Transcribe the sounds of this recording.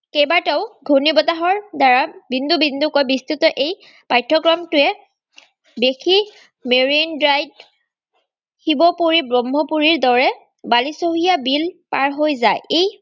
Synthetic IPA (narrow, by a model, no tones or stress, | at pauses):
kejbatɛʊɡʱunibɔtaɦɔɹdaɹabindubindukɔjbistutɔʔej | pajtʰːɔkɹɔmtʊɛ | bexʰi | meɹindɹajd | hibɔpoɹibɹɔmɦɔpuɹiɹdɔɹɛ | balisoɦijabilpaɹɦojzajej